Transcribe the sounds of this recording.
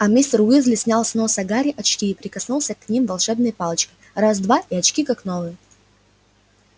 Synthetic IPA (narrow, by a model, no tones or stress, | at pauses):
ɐmʲisʲt̪rʊizlʲɪsʲnʲalˠsnosɐɡaɾʲɪʔɐt͡ɕkʲiːpɾʲɪkɐsnulˠsʲəkːnʲimvɐlˠʂɛbnɨjpalˠət͡ɕkʲə̥ | razd̪vaiɐt͡ɕkʲikaknovɨjə